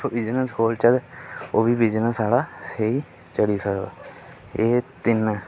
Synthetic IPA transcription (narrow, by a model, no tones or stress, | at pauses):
ʋɪd͡ʒnəsɦoːlt͡ʃəd̪oːbiʋid͡ʒnəsaːɽasei | t͡ʃəɽisək | eːt̪ɪnː